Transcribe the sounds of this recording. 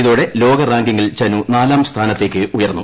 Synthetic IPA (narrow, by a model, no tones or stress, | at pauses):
iðuːɽe̞lo̞ːɡɐraːŋɡiŋːilt͡ɕɐnunaːlaːmst̪ʰaːnɐt̪ːe̞ːkʲːɨujɐrnːṵ